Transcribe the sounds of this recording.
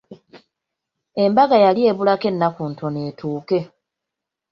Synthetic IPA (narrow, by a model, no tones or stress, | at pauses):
e̞mbaɡajalje̞ːβulake̞nːakuːntʰo̞ne̞ːtʰuːke̞